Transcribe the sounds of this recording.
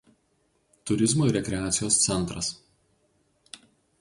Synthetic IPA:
t̪ʊɾʲɪzmoɾʲɛkʲɾʲɛaːt̪sʲɪjoːst̪sʲɛnˑt̪ɾɐs

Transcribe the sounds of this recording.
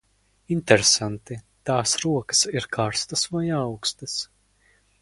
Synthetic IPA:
int̪eɾesant̪i | t̪aːsɾuɔkɐ̥siɾkʰaːɾst̪ɐsvajawkst̪ɐs

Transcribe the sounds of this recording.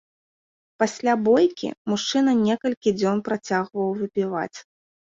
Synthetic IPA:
pasʲlʲabɔjkʲḭmuʂt͡ʂɨnɐnʲɛkɐlʲkʲid͡zʲɔnpɾat͡sʲaɣvɐwvɨpʲiva̰t͡sʲ

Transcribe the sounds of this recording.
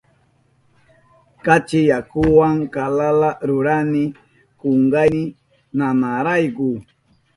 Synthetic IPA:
kat͡ʃɪjakʊwaŋkalalaɾʊɾanɪ | koŋɡanɪ | nanaɾajkʊ

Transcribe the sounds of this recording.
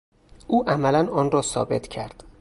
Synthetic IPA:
ʔuːʔæmælænɒːnɾɒːsɒ̰ːbe̞t̪ʰcʰæɾd̪̥

